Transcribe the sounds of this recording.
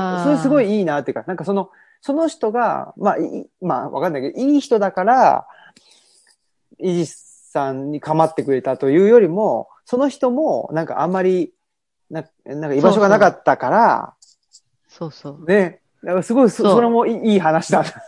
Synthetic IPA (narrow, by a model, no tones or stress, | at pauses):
soɾesɨɡo̞iiːnat̪ːeiɯ̟kanãŋkasono̞ | so̞no̞çi̥t̪o̞ɡa̰ma̰imaβakanːaikeoiːçi̥t̪o̞d̪akaɾa | iʑi | sãɲɲikamat̪ːe̞kɯ̟ɾe̞t̪at̪o̞jɯ̟ːjo̞ɾʲimo̞ | so̞no̞çi̥t̪o̞mo̞nãŋka̰ʔa̰mːaɾʲi | na | nãŋkaiːbaʃo̞ɡanakat̪ːakaɾa̰ | ne̞ | d̪akasɨɡo̞isoso̞ɾe̞mo̞iiːɦanaɕid̪ãna